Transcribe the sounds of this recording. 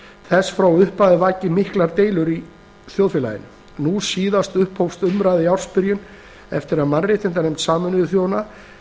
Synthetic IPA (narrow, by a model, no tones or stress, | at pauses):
θɛsːfɾawʏhpaðɪvaːjcɪmɪhklaɾt̪eːjlʏɾi | θjowðfɪla̰jɪ̰nʏ̰ | nusiːðast̪ʏhphowfst̪ʏmɾaːjðɪawr̥spɪɾjʏn | ɛ̰ft̪ɪɾaðmanrːeht̪ɪnt̪̬anejmt̪saːmʏnɪðʏθjoːwna